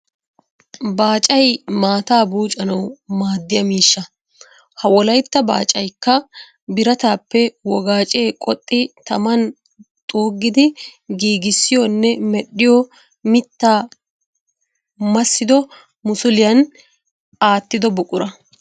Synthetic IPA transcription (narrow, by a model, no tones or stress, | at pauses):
baːt͡ʃʼɐjmaːt̪aːbuːt͡ʃʼɐnɐwmaːd̪ːɪjɐmiːʃːɐ | hɐwɔlɐjt̪ːɐba̰ːt͡ʃʼɐjkːɐ | bɪɾɐt̪aːpːɛwɔɡaːt͡ʃʼe̞ːkʼɔt̪ʼːɪt̪ɐmɐn | t̪ʼoːɡːɪd̪ɪɡiːɡɪsːɪjɔnːɛmɛɗːɪjɔ | mɪt̪ːaː | mɐsːɪd̪ɔ | mʊsʊlɪjɐn | aːt̪ːɪd̪ɔbʊkʼʊɾɐ